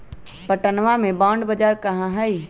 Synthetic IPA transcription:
pəʈənʋamẽbaːɳɖbəd͡ʒaːɾkɐɦãɦɛi

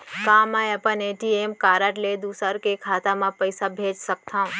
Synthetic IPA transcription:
kãːmãjəpəneʈiemkaːɾəʈled̪usəɾkekʰaːt̪amãpəjsabʱeːd͡ʒsək̚t̪ʰã

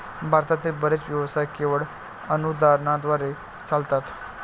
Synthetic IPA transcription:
bʱaɾt̪at̪iːlbəɾet͡sʋjəʋsajkeʋəɭ | ənud̪aɾɳad̪ʋaɾe | t͡salt̪at̪

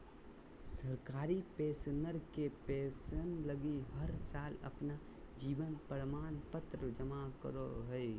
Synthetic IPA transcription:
səɾkaːɾipeːsnəɾkepeːsənləɡiɦəɾsaːlɐ̰pna | d͡ʒiːʋənpəɾmaːnpət̪ɾəd͡ʒəmakə̰ɾoɦəe

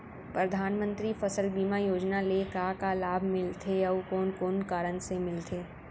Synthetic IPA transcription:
pɾɐd̪ʱaːnmə̃nt̪ɾifɐsəlbiːmajoːd͡ʒnalekakalaːbʱmɪlt̪ʰeɐʋkoːnkoːnkaːɾənsemɪlt̪ʰeː

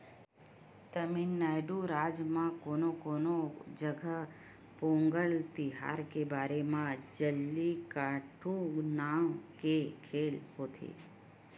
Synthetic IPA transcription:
t̪əminːaːjɖuɾaːd͡ʒmãkoːnokoːnod͡ʒəɡʱə | põːŋɡəlt̪iɦa̰ːɾkebaːɾemãd͡ʒəlːikaːʈʰũnaːwkekʰeːlɦoːt̪ʰḭː

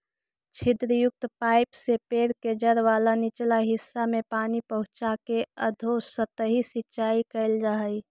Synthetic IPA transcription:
t͡ʃʰɪd̪ɾəjʊk̚t̪paːɪpsepeːɾked͡ʒəɾʋaːlanɪt͡ʃlaɦɪsːamẽpaːnipəɦʊ̃t͡ʃakeəd̪ʱosət̪əɦisɪtːʃaːikəɪld͡ʒaɦəi

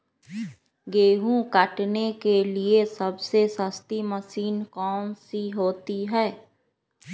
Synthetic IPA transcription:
ɡeːɦũkəʈnekeliesəbsesəst̪iməsiːnkɔːnsiɦoːt̪iɦɛː

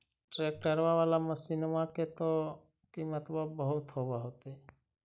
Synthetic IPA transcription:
ʈɾek̚kəɾʋaʋaːlaməsinmaket̪o | kimət̪babəɦut̪ɦobaɦot̪e

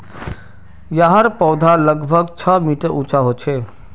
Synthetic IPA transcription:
jaɦəɾpɔwd̪ʱaləɡbʱəɡt͡ʃʰəmiʈəɾut͡ʃaɦot͡ʃʰe

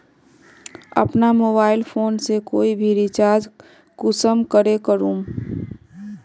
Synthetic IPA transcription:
ɐ̰pnamoːbaːɪlpʰoːnsekoːibʱiɾɪt͡ʃaːɾd͡ʒ | kʊsəmkəɾekəɾũː

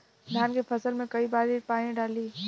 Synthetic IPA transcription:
d̪ʱjaːnkepʰəsəlmẽkɐibaːɾipaːĩɖaːliː

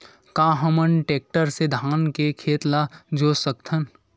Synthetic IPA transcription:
kãːɦəmənʈeːk̚ʈəɾsed̪ʱaːnkekʰeːt̪lad͡ʒoːsək̚t̪ʰən

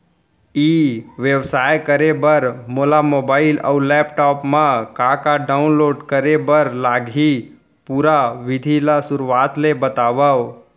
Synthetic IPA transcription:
iʋeʋsajkəɾebəɾmolamobaːɪləulɛpʈɔːpmãkakaɖaʊnloːɖkəɾebəɾlaɡʱi | puɾaʋɪd̪ʱilasʊɾaːt̪lebət̪aːʋaʋ

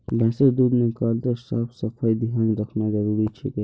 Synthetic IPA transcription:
bə̃ːsəɾd̪uːd̪nikaːld̪əɾsa̰ːpʰsəpʰajd̪iɦãnɾəkʰnazəɾuːɾit͡ʃʰḭke

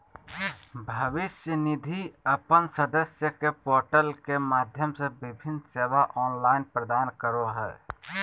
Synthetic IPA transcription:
bʱəʋɪsjənɪd̪ʱiəpənsəd̪əsjəkepoːɾʈəlkemaːd̪ʱjəmsebɪbʱɪnseːʋaʔɔːnlaːɪnpɾəd̪aːnkəɾoɦɛː

